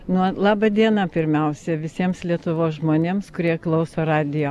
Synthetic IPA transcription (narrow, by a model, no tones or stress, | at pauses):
nuɔlˠɑːbɐd̪ʲiɛnɑpʲɪɾʲmʲɛʊsʲɛʋʲɪsʲiɛmslʲiɛt̪ʊʋoːsʒmoːnʲeːmskʊɾʲiɛklˠɐʊsoːrɑːd̪ʲɪjoː